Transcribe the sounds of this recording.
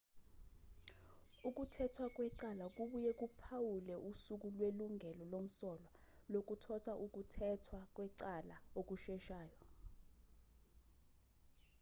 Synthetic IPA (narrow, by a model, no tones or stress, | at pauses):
uk̬ʼutʰɛtʰwak̬ʼwɛǀalak̬ʼuɓujɛk̬ʼupʰawulɛʔusuk̬ulweluŋʱɛlɔlom̩sɔlwa | lok̬ʼutʰɔtʰaʔuk̬utʰɛtʰwak̬ʼwɛǀalaok̬uʃɛʃaːjɔ